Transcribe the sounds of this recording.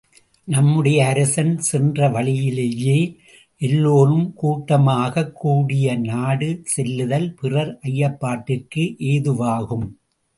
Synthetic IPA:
nɐmːɯɽɐjɐːɾɐsɐnsɛndrɐʋɐɭɪjɪleːjeː | ʔɛlːoːrɯmkuːʈːɐmaːɣɐkːuːɽɪjɐnaːɽɯsɛlːɯðɐlpɪrɐɾʔɐjːɐpːaːʈːɪrkɯʔeːðɯʋaːɣɯm

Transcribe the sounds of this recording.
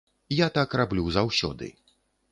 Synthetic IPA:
jat̪akrablʲuzawsʲɔ̰d̪ɨ̰

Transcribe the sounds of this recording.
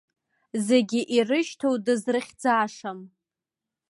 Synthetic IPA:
zeɡʲɪʔirɨʃtʰowdɨzrɨχʲd͡zaːʂam

